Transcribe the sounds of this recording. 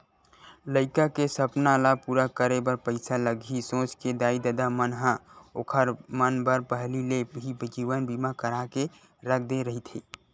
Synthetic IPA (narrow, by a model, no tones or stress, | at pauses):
ləɪkakesəpnalapuɾakəɾebəɾpəɪsaləɡʱisõt͡ʃked̪aid̪əd̪amənɦãokʰəɾmənbəɾpəɦlileibd͡ʒiʋənbimakəɾake | ɾək̚ʰd̪eɾəɦit̪ʰi